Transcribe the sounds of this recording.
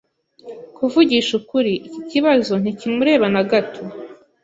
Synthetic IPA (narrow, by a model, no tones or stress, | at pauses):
kuvuɟiʃukuɾiʔiciciβazo̞n̥icimuɾe̞ːβanaɡatʰo